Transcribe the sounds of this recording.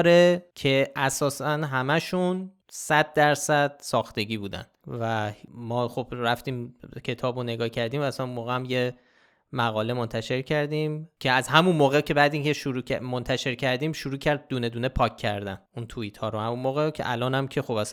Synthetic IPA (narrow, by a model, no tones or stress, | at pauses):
ɾecʰe̞ʔæsɒːsænɦæmæʃun | sæd̪̚ːæɾsæd̪̥̚sɒːxt̪e̞ɟiːbuːd̪æ̰nd̪̥væmɒːxo̞b̥ɾæft̪iːmcʰe̞t̪ʰɒːbone̞ɡɒːhcʰæɾd̪iːmæzæmunmoːɣeæmje̞ | mæɣɒːle̞mo̞nt̪ʰæʃe̞ɾcʰæɾd̪iːmcʰeæzhæmunmoːɣecʰe̞bæːd̪iːŋcʰe̞ʃuɾuːæ̰mont̪ʰæʃe̞ɾcʰæɾd̪iːmʃuɾuːcʰæɾd̪̚ːuːne̞d̪uːne̞pʰɒːkʰːæɾd̪ænunt̪ʰuiːt̪ʰhɒːɾohæmunmoːɣecʰḛʔælɒːnæmcʰe̞xo̞bæs